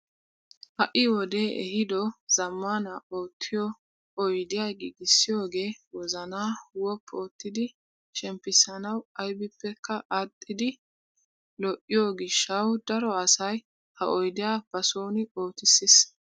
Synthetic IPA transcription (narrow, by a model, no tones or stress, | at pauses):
hɐʔɪwɔd̪e̞ːʔɛ̰ɦɪd̪ɔz̥ɐmːaːnɐo̞ːt̪ʰːɪjɔ | ɔjd̪ɪjaːɡiɡɪsːɪjo̞ːɡe̞ːwɔzɐnaːwɔpʰːo̞ːt̪ːɪd̪ɪ | ʃɛmpːɪsɐnɐwɐjbɪpːɛkʰːɐʔɐt̪ʼːɪd̪ɪ | lɔʔɪjoːɡɪʃːɐwd̪ɐɾɔɐsɐj | hɐʔɔjd̪ɪjaːb̥ɐso̞ːnɪo̞ːt̪ɪsːɪs